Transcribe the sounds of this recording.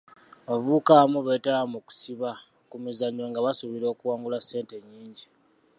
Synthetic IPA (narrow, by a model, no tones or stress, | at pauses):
βavuːkamuβe̞ːtaamuku̥siβa | kumizaɲːoŋɡaβasuβiɾo̞ːkuwaːŋɡulase̞ːnte̞ɲːiːɲɟi